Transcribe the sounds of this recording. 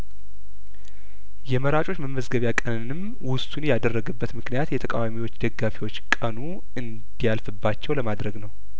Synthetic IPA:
jɛməɾat͡ʃʼo̞t͡ʃːməməzɡəβjakʼənɨnɨm | wʊst̪ʼunjad̪ərːəɡɨbːət̪mɨknijat̪jɛt̪ʰəkʼa̰wamiwo̞t͡ʃːd̪əɡːafiwo̞t͡ʃːkʼənu | ɨnd̪ijalfɨbːat͡ʃːɛwləmad̪ɾəɡnəw

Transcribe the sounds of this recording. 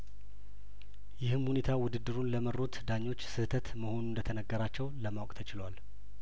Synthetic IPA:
jɪhɨmhune̞t̪ʰawʊd̪ɨd̪ːɨɾunləməɾo̞t̪d̪aɲːo̞t͡ʃːsɨht̪ʰət̪məho̞nund̪ət̪ʰənəɡːəɾat͡ʃːɛwləmawkʼt̪ʰət͡ʃɪlwal

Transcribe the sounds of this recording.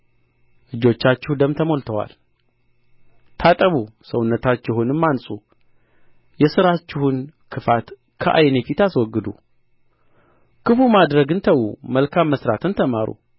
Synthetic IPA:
lɨd͡ʒo̞t͡ʃːat͡ʃːɪhd̪əmt̪ʰəmo̞lt̪ʰəwa̰l | t̪ʰat̪ʼəβusəwʊnːət̪ʰat͡ʃːɪhʊnɨmːansʼu | jɛsɨɾat͡ʃːɪhunkʰɨfat̪ | kʰəʔa̰jne̞fit̪aswɔɡːɨd̪ṵ | kʰɨfumad̪ɾəɡɨnt̪ʰəwṵməlkʰamːəsɾat̪ʰɨnt̪ʰəmaɾṵ

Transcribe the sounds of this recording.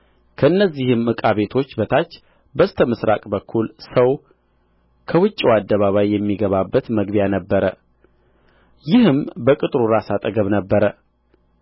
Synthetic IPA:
kʰəɨnːəzːihɨmɨkʼaβe̞t̪ʰo̞t͡ʃːbət̪ʰat͡ʃː | bəst̪ʰəməsɾa̰kʼbəkʰːulsəw | kʰəwɨt͡ʃʼːiwad̪ːəβaβajːɛmːiɡəβabːət̪məɡβjanəbːəɾə | jɪhɨmbəkʼɨt̪ʼɾuɾasat̪ʼəɡəβnəbːəɾə

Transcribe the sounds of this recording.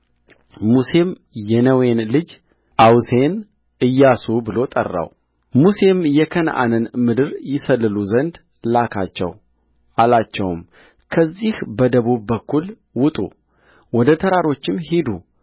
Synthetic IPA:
muse̞m | jɛnəwe̞nlɨd͡ʒ | ʔawse̞n | ʔɨjːasubɨlo̞t̪ʼə̰rːa̰w | muse̞mjɛkʰənʔa̰nɨnmɨd̪ɨɾjɪsəlːɨluzənd̪ | lakʰat͡ʃːɛ̰w | ʔalat͡ʃːɛ̰w̰m | kʰəzːihbəd̪əβubːəkʰːul | wʊt̪ʼṵ | wɔd̪ət̪ʰəɾaɾo̞t͡ʃːɪmhid̪u

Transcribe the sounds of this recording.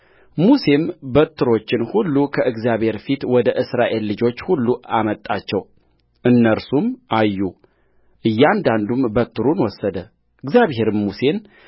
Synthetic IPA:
muse̞mbət̪ʰːɨɾo̞t͡ʃːɪnhulːukʰəʔɨɡzjaβhe̞ɾfit̪wɔd̪əʔɨsɾaʔe̞lːɨd͡ʒo̞t͡ʃːhulːuamət̪ʼːat͡ʃːɛw | ʔɨnːəɾsumʔajːu | ʔɨjːand̪and̪umbət̪ʰːɨɾunwɔsːəd̪ə | ʔɨɡzjaβɦe̞ɾɨmmuse̞n

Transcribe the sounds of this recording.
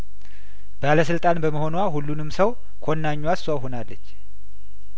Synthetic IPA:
baləsɨlt̪ʼanbəməho̞nwahulːunɨmsəw | kʰonːaɲːwaswawɦonalːət͡ʃː

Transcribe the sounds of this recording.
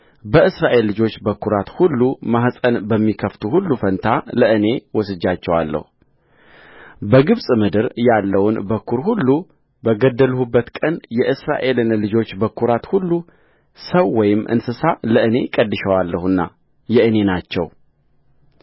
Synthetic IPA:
bəɨsɾaʔe̞lːɨd͡ʒo̞t͡ʃːbəkːuɾat̪hulːumahsʼənbəmːikʰəft̪ʰuhulːufənt̪ʰaləʔɨne̞wɔsɨd͡ʒːat͡ʃːɛwa̰lːə̰hu | bəɡɨβsʼmɨd̪ɨɾjalːəwʊnbəkʰːuɾhulːu | bəɡəd̪ːəlhubːət̪kʼənjɛʔɨsɾa̰ʔe̞lɨnlɨd͡ʒo̞t͡ʃːbəkʰːuɾat̪hulːu | səwːɔjɪmːʔɨ̰nsɨsaləʔɨne̞kʼəd̪ːɨʃəwalːəhɨnːa̰ | jɛʔɨne̞nat͡ʃːɛ̰w

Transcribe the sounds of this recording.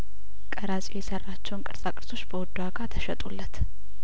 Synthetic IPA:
kʼəɾasʼojɛsərːat͡ʃːɛwnkʼɨɾsʼakʼɨɾso̞t͡ʃːbəwɔd̪ːuaɡat̪ʰəʃɛt̪ʼulːət̪

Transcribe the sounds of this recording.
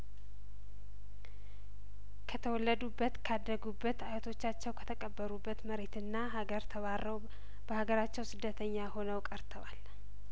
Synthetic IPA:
kʰət̪ʰəwɔlːəd̪ubːət̪kʰad̪ːəɡubːət̪ajɛt̪ʰo̞t͡ʃːat͡ʃːɛwkʰə̥t̪ʰəkʼəbːəɾubːət̪məɾe̞t̪ɨnːaɦaɡəɾt̪ʰəβarəw | b̥əhaɡəɾat͡ʃːɛwsɨd̪ːət̪ʰəɲːaho̞nəwkʼəɾt̪ʰəwal

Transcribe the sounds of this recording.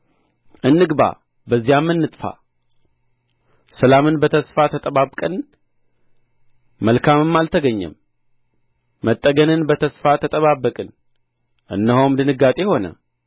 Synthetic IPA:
ʔɨnːɨɡba̰ | bəzːijamːɨnːɨt̪ʼfa̰ | səlamɨnbət̪ʰəsfat̪ʰət̪ʼəβaβkʼɨn | əlkʰamɨmːalt̪ʰəɡəɲːɛ̰m | ət̪ʼːəɡənɨnbət̪ʰəsfat̪ʰət̪ʼəβabːəkʼɨn | ʔɨ̰nːəhowmd̪ɨnɨɡːat̪ʼe̞ho̞nə̰

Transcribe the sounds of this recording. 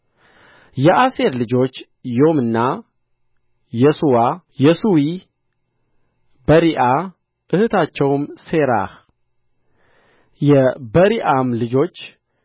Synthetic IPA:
jɛʔase̞ɾlɨd͡ʒo̞t͡ʃː | jo̞mɨnːa | jɛsuwa | jɛsuwi | bəɾiʔa | ʔɨhɨt̪ʰat͡ʃːɛwmse̞ɾa̰h | jɛbəɾiʔamlɨd͡ʒo̞t͡ʃː

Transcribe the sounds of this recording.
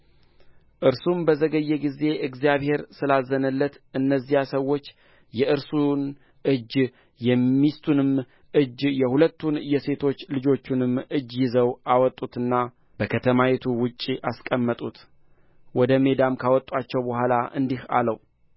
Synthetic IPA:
ʔɨɾsumbəzəɡəjːɛɡize̞ɨɡzijaβhe̞ɾsɨlazənəlːət̪ɨnːəzːijasəwo̞t͡ʃː | jɛʔɨɾsun | ɨd͡ʒ | jɛmːist̪ʰunɨm | ʔɨd͡ʒjɛhulət̪ʰːunjɛse̞t̪ʰo̞t͡ʃːlɨd͡ʒo̞t͡ʃːunɨmɨd͡ʒːjɪzəwawɔt̪ʼut̪ɨnːa | b̥əkʰət̪ʰəmajet̪ʰuwʊt͡ʃʼːiʔaskʼəmːət̪ʼut̪ | wɔd̪əme̞d̪amkʰawɔt̪ʼat͡ʃːɛwbəhʷalaʔɨ̰nd̪iha̰ləw

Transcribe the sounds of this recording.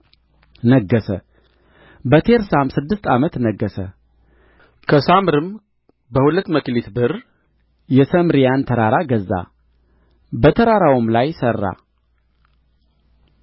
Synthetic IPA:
nəɡːəsə | bət̪ʰeɾsamsɨd̪ːɨst̪ʰʼamət̪nəɡːəsə | kʰəsamɾɨm | bəhulət̪ːməklit̪bɨr | jɛsəmɾijant̪ʰəɾaɾaɡəzːa̰ | bət̪ʰəɾaɾawmlajsərːa̰

